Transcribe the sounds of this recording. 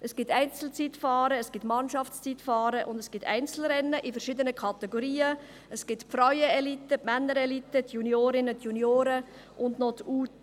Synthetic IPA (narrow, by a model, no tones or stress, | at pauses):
əsɡ̥ɪtæɪnt͡sl̩t͡sitfɑːɾəəsɡ̥ɪtmɑnʃɑft͡st͡sitfɑːɾəʔʊndəsɡ̥ɪt̪ʰæ̰ɪnt͡sl̩ɾɛnːəʔifəɾʃid̪ənəkʰɑtɛɡoɾiːə | əsɡ̥ɪtpfraʏəelitːəpmɛnːəɾɛlitətʰjunjoːɾɪnət̪ʰjunjoːɾə | ʔʊndnot̪uːt